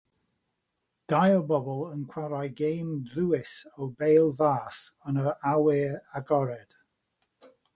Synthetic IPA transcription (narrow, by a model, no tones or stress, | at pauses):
d̥ajəbɔbɔlˠənkʰw̥aɾajɡejmðuːɪsɔwbejlˠvaːsənəawɪaɡɔɾɛd̥